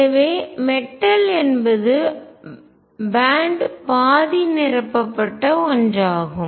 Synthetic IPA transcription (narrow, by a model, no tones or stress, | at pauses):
ɐʋeːmɛʈːɐlɛnbɐðɯ | baːɳɖpaːðinɪɾɐpːɐpːɐʈːɐɔndraːɣɯm